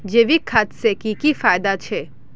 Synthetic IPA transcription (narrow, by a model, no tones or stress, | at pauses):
d͡ʒeʋikʰaːt̪sekikifaːjd̪at͡ʃʰɛː